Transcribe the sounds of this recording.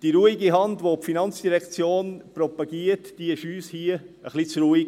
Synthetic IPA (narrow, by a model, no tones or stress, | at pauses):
d̥iɾuːiɡiɦɑndʋopfinɑnt͡sd̥iɾɛkt͡sjoːnprɔpɑɡiːətd̥iɪʃyːshiəəχlit͡sɾuːiɡ